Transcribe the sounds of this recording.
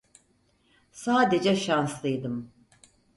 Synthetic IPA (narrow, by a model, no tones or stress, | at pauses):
saːd̪ed͡ʒɛʃanslˠɯjd̪ɯm